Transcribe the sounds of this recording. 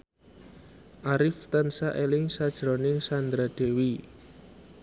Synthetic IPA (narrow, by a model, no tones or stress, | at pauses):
ʔaɾɪft̪ansaʔelɪŋsad̥ʒ̥ɾonɪŋsand̪ɾad̪̥e̤wi